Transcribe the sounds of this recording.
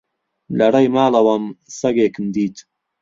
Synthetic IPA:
lɐrɐjmaːlɐwɐmsɐɡeːkɨmd̪iːt̪

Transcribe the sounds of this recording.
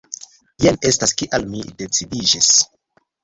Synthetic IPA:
jane̞staskiʔalmidet͡sidid͡ʒis

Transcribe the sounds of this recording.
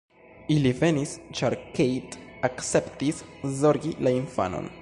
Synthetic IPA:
ilive̞nist͡ʃaɾkejtakse̞ptiszo̞ɾɡilainfa̰no̰n

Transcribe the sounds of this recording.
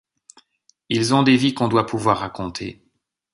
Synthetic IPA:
ilzɔ̃d̪evikɔ̃d̪wapuvwaʁːakɔ̃t̪ʰḛ

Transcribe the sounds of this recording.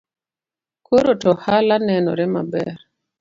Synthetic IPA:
koɾotɔhalanɛnɔ̰ɾɛma̰bɛ̰ɾ

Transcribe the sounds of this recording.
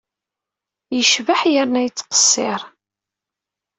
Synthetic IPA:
jəʃvəħjəɾnæjt͡sːqə̥sˤːɪɾˤ

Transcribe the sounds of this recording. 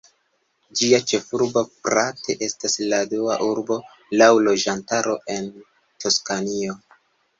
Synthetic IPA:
d͡ʒiat͡ʃe̞fuɾbo̞fɾate̞ʔe̞stasladua̰ʔuɾbo̞ | lawlo̞d͡ʒantaɾo̞ʔe̞n | tʰo̞skanio̞

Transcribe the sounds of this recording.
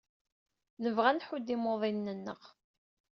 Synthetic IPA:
nəvʁænħʊd̪ːimoðˤinːənːə̰ʁ

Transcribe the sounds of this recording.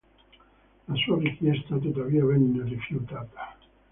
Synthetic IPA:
lasuarikjɛst̪at̪̬ot̪aviːavɛnerifjut̪aːt̪ḁ

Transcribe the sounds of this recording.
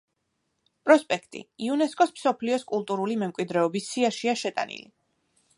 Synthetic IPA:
pʼɾɔspʼɛkʰt̪ʼḭiunɛskʼɔsmsɔpʰliɔskʼulˠt̪ʼuɾulimɛmkʼwid̪ɾɛɔbisːiaʃiaʃɛt̪ʼa̰nḭli

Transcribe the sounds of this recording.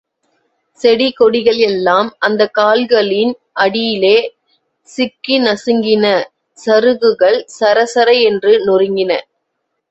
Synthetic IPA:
sɛɽikɔɽɪɣɐɭɛlːaːmʔɐnd̪ɐkaːlɣɐɭɪn | ʔɐɽɪjɪleː | sɪkːinɐsɯŋɡɪnɐ | sɐɾɯɣɯɣɐɭsɐɾɐsɐɾɐɪɛndrɯnʊrɪŋɡɪnɐ

